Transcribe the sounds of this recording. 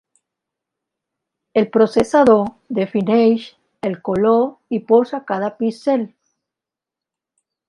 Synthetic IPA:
e̞lpɾo̞sesaðoɾ | d̪efinejʃ | elkoloɾiposakaðapisel

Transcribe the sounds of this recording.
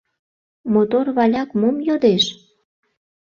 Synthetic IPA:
mot̪orβɑlʲɑkmomjod̪eʃ

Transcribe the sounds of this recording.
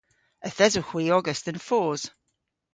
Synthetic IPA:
əθɛzəxwiːɔɡəstə̃nfɔːz̥

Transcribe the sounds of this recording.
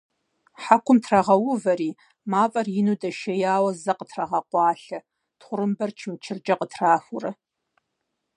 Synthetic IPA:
ħakʷʰʊmtʰrɐʁɐwʊvɐɾiː | maːfʼɐrjɪnuːdɐʃɐjaːwɐzɐqətʰrɐʁɐqʷɑːɬɐ | tχʷʊrɨmbɐrt͡ʃʰɪmt͡ʃʰɪrd͡ʒʼɐqətʰraːfʷʊrɐ

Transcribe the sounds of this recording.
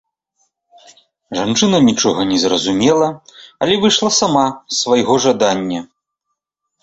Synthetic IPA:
ʐant͡ʂɨnɐnʲit͡ʂɔɣɐnʲɛzrɐzumʲɛlˠɐɐlʲɛvɨʂlˠɐsamasvajɣɔʐad̪anʲːɐ

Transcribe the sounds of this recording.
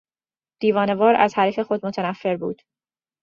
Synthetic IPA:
d̪̥iːvɒːne̞vɒːɾæ̰zhæɾife̞xo̞d̪̚mo̞t̪ʰænæfːe̞ɾbṵːd̪̥

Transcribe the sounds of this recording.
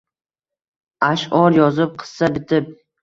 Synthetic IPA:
aʃɒɾjɒzɪp̚qʰɨ̥ssabɪt̪ʰɪp̚

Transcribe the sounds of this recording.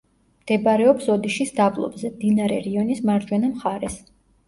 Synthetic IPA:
md̪̥ɛbɾɛɔpsɔd̪iʃisd̪ablˠɔ̰bzɛmd̪inaɾɛ̰ɾiɔnismaɾd͡ʒwɛnamχaɾɛs

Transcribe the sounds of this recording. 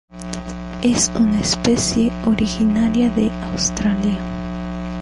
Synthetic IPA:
esunaespesjeoɾixinaɾjaðeawst̪ɾalja

